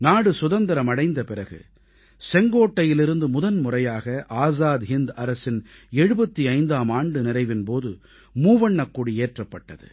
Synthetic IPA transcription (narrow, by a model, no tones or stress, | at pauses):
naːɽɯsʊðɐnd̪ɐɾɐmɐɽɐɪnd̪ɐpɪrɐɣɯ̰ | sɛŋɡoːʈːɐjɪlɪɾɯnd̪ɯmʊðɐnmʊrɐjaːɣɐʔaːzaːd̪ɦɪnd̪ɐɾɐsɪnɛɻɯbɐt̪ːiɐɪnd̪aːmaːɳɖɯnɪɾɐɪʋɪnpoːðɯ | muːʋɐɳːɐkːuːɽieːʈrɐpːɐʈːɐðɯ̰